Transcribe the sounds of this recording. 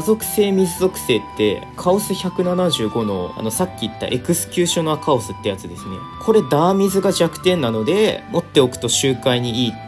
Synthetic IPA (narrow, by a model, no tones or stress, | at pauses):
azo̞kɯ̟̥se̞ːmʲizɨzo̞kɯ̟̥se̞ːt̪ːe̞̰ | kʰao̞sɨçʲakɯ̟nanaʑɨːɡo̞no̞a̰no̞sakʲːiːt̪ːa̰ʔe̞kɯ̟sɨ̥kʲɨːɕo̞noakaosɨt̪ːe̞jat͡sɨd̪e̞sɨne̞̰kʰo̞ɾe̞d̪aːmʲizɨɡaʑakɯ̟̥t̪ẽ̞nːano̞d̪e̞mo̞t̪ːe̞o̞kɯ̟̥t̪o̞ɕɨːkaiɲ̟iiː